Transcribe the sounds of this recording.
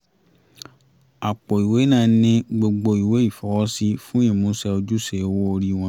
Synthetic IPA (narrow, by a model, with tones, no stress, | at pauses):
a˨k͡pɔ˨i˨we˨˦nã˦˨˦nĩ˦ɡ͡bo˧ɡ͡bo˧i˨we˨˦i˦˨fɔ˨˦wɔ˦si˦fũ˦ĩ˦˨mũ˨˦sɛ˧o˧d͡ʒu˦se˨˦wo˦o˧ɾi˦w̃ɔ̃˧˦